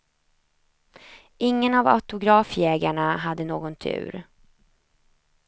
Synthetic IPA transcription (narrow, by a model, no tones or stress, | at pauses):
ʔɪŋːənava̰t̪ʊɡɾɑːfjɛːɡaɳaɦad̪ːənoːɡɔnt̪ʰʉ̟̰ːɾ